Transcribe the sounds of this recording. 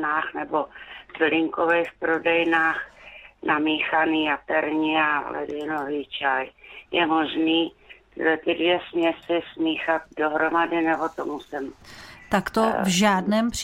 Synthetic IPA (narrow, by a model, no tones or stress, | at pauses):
naːxnɛbozlɪŋkovɛjfpɾodɛjnaːxnʔamiːxaniːjat̪ɛɾɲɪa̰lɛ̰dɪnoviːt͡ʃajjɛmo̞ʒniː | ɪ̰lɛt̪ɪdvjɛsmɲɛsɪsmiːxat̪̚doɦɾomadɪnɛbot̪omusɪmt̪akt̪ovʒaːdnɛːmp